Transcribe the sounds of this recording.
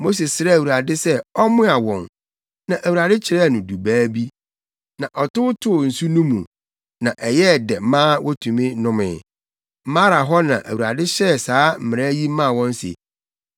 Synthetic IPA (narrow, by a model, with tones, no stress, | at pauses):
mo˦s̬i˨ssɪ˦ɾɛ˦˨wu˨ɾa˨dɪ˦sɛ˦ɔ˦mʊ̃˦a˨wɔ̃˨n | nã˨ʔæ˨wu˨ɾa˨dɪ˦t͡ɕʰɪ˨ɾɛ˦˨nʊ̃˨du˨bæː˦bi˦ | nã˨ʔɔ˨tʊ˦ʊ˦tʰʊ˦˨n̩˨su˦nũ˦mṵ̃˨ | nã˨ʔɛ˨jɛ˦˨dɛ˨mã˦wʔɔ˦tʰũ˨mĩ˦nʊ̃˦mɪ̰̃˨ | m̩˦mã˦ɾa˨ɦɔ˦nã̰˨ʔæ̰˨wu˨ɾa̰˨dɪ˦ɕɛ˦˨saː˦m̩˨mɪ̃˨ɾa˦ji˦mã˦˨wɔ̃˦n˦sḛ˨